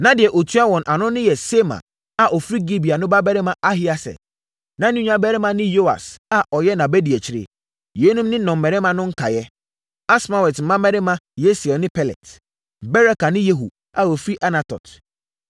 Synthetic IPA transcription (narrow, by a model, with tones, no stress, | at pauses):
nã˨dɪ˨ɛ˨ʔo˨tʰu˦a˦wɔ̃˨nʔa˨nʊ̃˦nɪ̃˦jɛ˨se˦mã̰˨ | a˨ʔɔ˨fɾi˦ɡi˦bi˨a˨nʊ̃˦ba˦bɛ˦ɾɪ˦mã˨ʔa˦ɦi˦a˨sɛ̰˨ | nã˨˦nĩ˦ɲᶣ˦ã˨˦bɛ˦ɾɪ˦mã˨nɪ̃˦jo˦a̰˨sa˨ʔɔ˨jɛ˦nã˨bɛ˦di˨ɛ˨t͡ɕʰɪ˦ɾɪ̰˦˨ | je˨˦nũ˦mnɪ̃˦nɔ̃˨mː˨ɛ˨ɾɪ˦mã˨nʊ̃˦ŋ̩˦kʰa˨jɛ˦ | a˦sma˨wɛ˨tm̩˨mã˦mɛ˦ɾɪ˦mã˦je˦sɔ˨nɪ̃˦pʰɛ˦˨lɛ̰˨t | bɛ˦ɾa˦ka˨nɪ̃˦je˦ɦṵ˨ | a˨o˨fɾi˦ʔa˦na˨tʰɔ̰˨t